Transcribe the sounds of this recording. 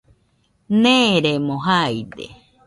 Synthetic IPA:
nẽɾemoɦajd̪ḛ

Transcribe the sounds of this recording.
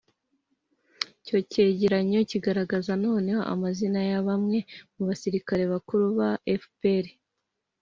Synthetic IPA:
co̞ce̞ːɟeɾaɲo̞ciɡaɾaɡazano̞ːne̞ho̞̰ʔa̰mazinajaβamŋe̞muβasiɾikaɾe̞βakuɾuβaʔefpeɾe

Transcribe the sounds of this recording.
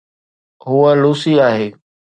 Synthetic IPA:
ɦʊəluːsiaːɦeː

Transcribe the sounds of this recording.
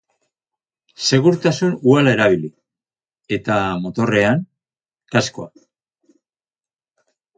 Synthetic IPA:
se̞ɣ̞uɾt̪asunualae̞ɾaβ̞ili | e̞t̪amo̞t̪o̞re̞aŋ | kaskoa̰

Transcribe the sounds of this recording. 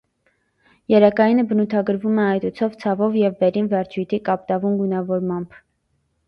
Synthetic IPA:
jɛɾɛkɑjinəbənut̪ʰɑɡəɾvumɛɑjt̪ut͡sʰɔvt͡sʰɑvɔvjɛvːɛɾinvɛɾt͡ʃʰujt̪ʰikɑp̚t̪ɑvunɡunɑvɔɾmɑmb̥

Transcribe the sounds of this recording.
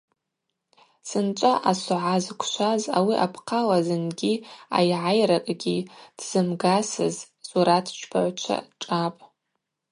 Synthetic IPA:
sɨnt͡ʃʷʼaʔasʊʕazkʷʰʃʷaza̰wiʔapʰqʰalazɨnɡʲia̰jʕajrakʼɡʲid̥z̥ɨmɡasɨ̰z | sʼuɾatʰt͡ʃʷʰpʰa̰ʕʷt͡ʃʷʰa̰ʈ͡ʂʼapʼ

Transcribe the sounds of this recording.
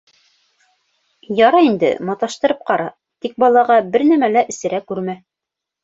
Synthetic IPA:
jɑɾɑind̪ɘ̰mɑt̪ɑʃt̪ɤ̆ɾɤp̚qɑɾɑ | t̪ik̚bɑlˠɑʁɑbɘɾnæmælæʔɘ̆sɘ̆ɾækʉɾmæ

